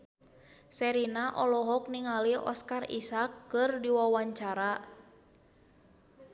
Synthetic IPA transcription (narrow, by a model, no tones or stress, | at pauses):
sɛɾinaʔɔlɔɦɔk̚niŋaliɔ̰skarḭsakːɨrdiwawaɲt͡ʃaɾa